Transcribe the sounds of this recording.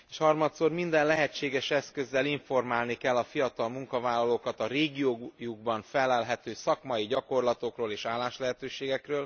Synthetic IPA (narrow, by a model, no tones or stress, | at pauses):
eːʃhɒrmɒt̪soːrmind̪ɛnlɛɦɛt͡ʃːeːɡɛʃɛskø̞zːɛliɱfo̞rmaːlnikɛlːɒfijɒt̪ɒlmuŋkɒvaːlːɒloːkɒt̪ɒreːɡijoːjuɡ̚bɒɱfɛlɛlɦɛt̪øːsɒkmɒjiɟɒko̞rlɒt̪o̞kroːleːʃaːlːaːʃlɛɦɛt̪øːʃeːɡɛkrøːl